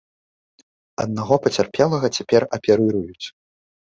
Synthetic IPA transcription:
ɐ̰d̪naɣɔpɐt͡sʲarpʲɛlˠɐɣɐt͡sʲapʲɛrɐpʲɛɾɨɾujut͡sʲ

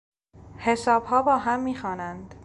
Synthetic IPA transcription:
he̞sɒːbhɒːbɒːɦæmːiːxɒːnænd̪̥

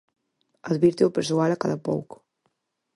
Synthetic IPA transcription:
əd̪βiɾt̪iwpəɾsualakaðəpɔ̰wk

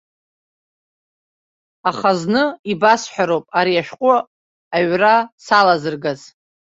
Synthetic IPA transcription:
aχaznɨibasħʷᶣaɾowpʼaɾiaʃqʷʼʊ | aɥrasalazɨrɡaz̥

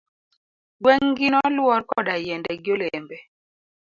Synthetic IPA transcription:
ɡwɛŋɡinɔlwɔrkɔdajɛndɛɡjolɛmbɛ

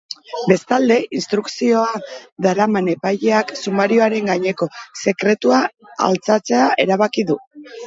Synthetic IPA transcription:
be̞st̪ald̪e̞ʔinst̪ɾuksio̞aðaɾamane̞pajʎe̞aksumaɾio̞aɾe̞ŋɡaɲe̞ko̞se̞kɾe̞t̪ua̰ː | lt͡sat͡se̞aʔe̞ɾaβ̞akiðu

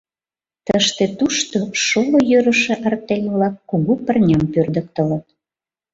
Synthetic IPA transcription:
t̪əʃt̪et̪uʃt̪oʃolojøɾəʃĕʔɑrt̪elʲβlɑkːuɣupərnʲɑmpørd̪ə̆k̚t̪ələ̆t̪

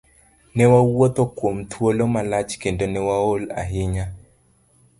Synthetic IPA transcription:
nɛwawot̪okwomt̪ʰwolomalat͡ʃkendonɛwaola̰ɦɪɲa

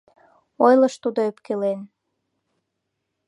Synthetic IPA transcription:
ojləʃt̪ud̪oepkelen

